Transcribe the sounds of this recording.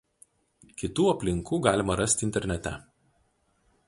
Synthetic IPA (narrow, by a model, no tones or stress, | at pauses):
kʲɪt̪uːɐpʲlʲɪŋkuːɡɑːlʲɪmɐɾɐsʲt̪ʲɪnʲt̪ʲɛɾʲnʲɛt̪ʲɛ